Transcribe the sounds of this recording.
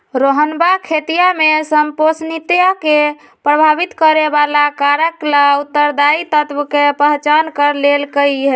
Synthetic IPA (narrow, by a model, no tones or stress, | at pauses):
ɾoɦənbakʰet̪ijamesəmposnit̪jake | pɾəbʱabit̪kəɾebalakaɾəklaut̪ːəɾd̪ait̪ət̪ʋkepəɦt͡ʃankəɾlelkəiɦe